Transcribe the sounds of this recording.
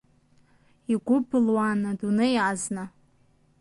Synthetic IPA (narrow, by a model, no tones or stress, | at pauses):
iɡʷʊbʰɨlwanɨdunɨjazna